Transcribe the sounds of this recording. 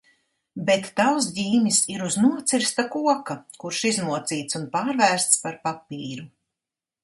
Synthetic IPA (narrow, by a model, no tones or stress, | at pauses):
bet̪ːaws̬diːmʲisiɾuznuɔt̪siɾst̪akuɔkakuɾʃiznuɔt̪siːt̪sunpaːɾvæːɾst̪spaɾpapiːɾu